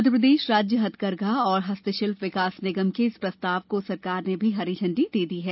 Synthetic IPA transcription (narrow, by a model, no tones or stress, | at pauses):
ɐd̪ʱəpɾəd̪eːʃɾaːd͡ʒjəɦɐt̪kɐɾɡʱaɔːɾɦɐst̪əʃɪlfʋɪkaːsnɪɡəmkeɪspɾɐst̪aːʋkosɐɾkaːɾnebʱiɦɐɾid͡ʒʰʱɐ̃ɳɖid̪eːd̪iɦɛː